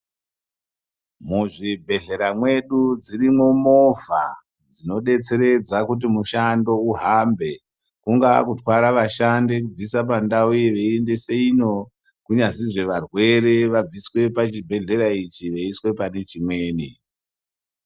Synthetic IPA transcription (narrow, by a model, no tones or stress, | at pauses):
muʐibʱe̞ɮe̞ɾamwe̞ɗud͡zirimwo̞mo̞va̰ | d͡zino̞ɗe̞t͡se̞ɾe̞d͡zakut̬imuʃando̞uɦambe̞ | kuŋɡakutwaɾaʋaʃandek̬ub͡visap̬andauʋeiende̞seino̞ | kuɲaziʐe̞ʋarwe̞ɾe̞ʋab͡viswe̞pat͡ʃibʱe̞ɮe̞ɾait͡ʃiʋeiswe̞pane̞t͡ʃimwe̞ːni